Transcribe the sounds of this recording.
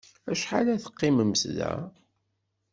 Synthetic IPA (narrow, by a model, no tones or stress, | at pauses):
æʃħalæθə̥qːɪməmslæ̰